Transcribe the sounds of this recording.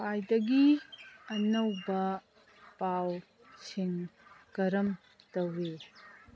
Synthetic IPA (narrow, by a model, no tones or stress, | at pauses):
pajdɐɡiɐnɐwbɐ | paw | siŋɡɐɾɐm | tɐwe